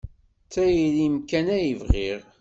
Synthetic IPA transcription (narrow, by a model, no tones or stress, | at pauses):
t͡sːæjilimkænæjəvʁiʁ